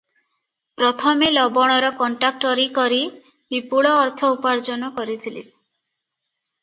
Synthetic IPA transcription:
pɾɔt̪ʰɔmelɔbɔɽ̃ɔɾɔkɔɳʈak̚ʈɔɾikɔɾi | bipuɭɔːɾt̪ʰɔupaɾd͡ʒɔnɔkɔɾit̪ʰilḭ

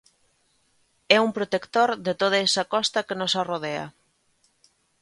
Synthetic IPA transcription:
ɛumpɾot̪ekt̪oɾðet̪oð̞aɛsakɔst̪ɐkenosaroðea̰

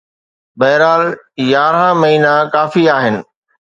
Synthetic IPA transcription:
bɐɦɪɾaːljaːɾɦãmɐɦiːnakaːfiaːɦɪnɪ̆

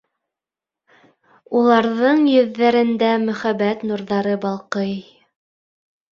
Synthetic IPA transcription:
ulˠɑɾðɤɴjɵ̆ðːæɾɘ̆nd̪æmɵ̆χæβæt̪nuɾðɑɾɤbɑlˠqɤj

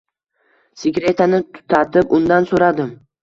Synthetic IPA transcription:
sɪɡʲɾe̞t̪ʰanɪt̪ʰʊ̥t̪ʰat̪ʰɪpʊnd̪ansoɾad̪ɪm

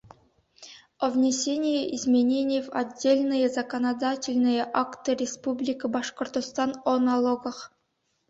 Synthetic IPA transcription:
ovʲnʲesʲenʲɪjəʔizmʲenʲenʲɪjvadʲːelʲnɨjəzɐkonad̪atʲɪlʲnɨjəʔakt̪ɨrʲɪspublʲikɨbɑʂkŏrt̪ost̪ɑnonɑlˠoɡɤ̆χ

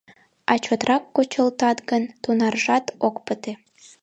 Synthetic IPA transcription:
ɑt͡ɕot̪rɑkːot͡ɕəlt̪ɑt̪ɣənt̪unɑrʒɑt̪okpət̪e

